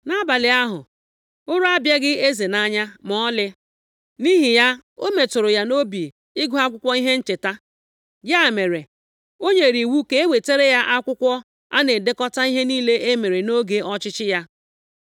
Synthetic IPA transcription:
na˦ba˨lɪ˨a˦ɦʊ̰˨ | ʊ˦ɾʊ˦a˦bja˦ɡɪ˦e˦ze˨na˦ɲa˦mɔ˨˦ɔ˦lɪ˦ | ni˦ɦi˨ja˦ | o˦me˨tʊ˨ɾʊ˨ja˦no˦bi˨ | ɪ˦ɡʊ˦a˦kʷʊ˦kʷɔ˦i˦ɦe˦n̩˦t͡ʃe˨ta˦ | ja˦˨me˨ɾe˨ | o˦ɲe˨ɾi˨wu˦ke˦e˦we˨te˦ɾe˦ja˦ʔa˦kʷʊ˦kʷɔ˦ | a̰˦ne˨de˦kɔ˦ta˦i˦ɦe˦niː˦le˦ʔe˦me˨ɾe˨no˦ɡe˦ɔ˦t͡ʃɪ˦t͡ʃɪ˦ja˦

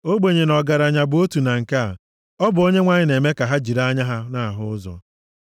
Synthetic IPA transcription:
o˦ɡ͡be˨ɲe˨nɔ˨ɡa˨ɾa˨ɲa˨bʊ˨o˦tu˨na˨ŋ̩˨ka˦a˨ | ɔ˦bʊ˨o˦ɲe˦ŋʷa˨ɲɪ˦ne˨me˦ka˨ɦa˦d͡ʒi˨ɾa˦ɲa˦ɦa˦na˦˨ɦʊ˦ʊ˦zɔ̰˨

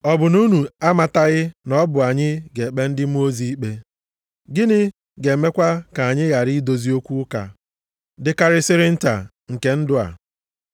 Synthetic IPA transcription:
ɔ˨bʊ˨nu˦nu˨a˦ma˨ta˦ɣɪ˦nɔ˦bʊ˨a˨ɲɪ˦ɡe˨k͡pe˦n̩˦dɪ˦m˦o˦zi˦k͡pe˦ | ɡɪ˦nɪ˦ | ɡe˨me˦kʷa˦ka˨ɲɪ˦ɣa˨ɾi˦do˨zi˦o˦kʷu˦ʊ˦ka̰˨ | dɪ˦ka˦ɾɪ˦sɪ˦ɾɪ˦n̩˦ta̰˨ | ŋ̩˨ke˨˦n̩˦dʊ˦a̰˨

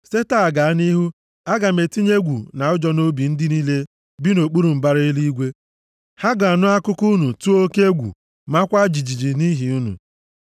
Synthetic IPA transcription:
se˦ta˨ɡa˨a˦ni˦ɦu˦ | a˦ɡa˨me˨ti˦ɲe˦ɡʷu˨na˨ʊ˦d͡ʒɔ˦no˦bi˨n̩˦dɪ˦ni˦le˦ | bi˦no˨k͡pu˦ɾu˨m̩˨ba˦ɾi˦i˦li˦i˦ɡʷe˦ | ha˦ɡɔ˨a˨nʊ˦a˦kʊ˦kʊ˦nu˨tu˦o˦ke˦e˦ɡʷṵ˨ | ma˦kʷa˦d͡ʒi˨d͡ʒi˨d͡ʒi˨ni˦ɦi˨u˦nṵ˨

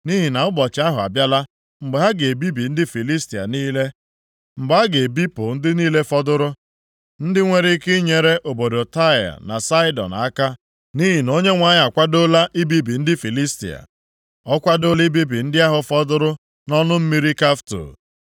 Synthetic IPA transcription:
ni˦ɦi˨na˨ʊ˦bɔ˨t͡ʃa˦ɦʊ˨a̰˨bja˦la˦ | ŋ͡m̩˨ɡ͡be˨ɦa˦ɡe˨e˨bi˦bi˨n̩˦dɪ˦fi˨li˦sti˨a̰˨niː˦le˦ | m̩˨ɡ͡ba˦a˦ɡe˨bi˦pʊ˨n̩˦dɪ˦niː˦le˦fɔ˦dʊ˦ɾʊ˦ | n̩˦dɪ˦ŋʷe˦ɾi˦kɪ˦ɲe˨ɾe˦ʔo˨bo˨do˨ta˦ja̰˨na̰˨sa˦ɪ˦dɔ̰˨na˦ka˦ | ni˦ɦi˨no˦ɲe˦ŋʷa˦ɲa˨kʷa˦do˦la˦ʔi˦bi˦bi˨n̩˦dɪ˦fi˨li˦stḭ˨a̰˨ | ɔ˦kʷa˦do˦li˦bi˦bi˨n̩˦dɪ˦a˦ɦʊ˨fɔ˦dʊ˦ɾʊ˦ | nɔ˦nʊ˦m̩˦mi˦ɾi˦ka˦fto̰˨

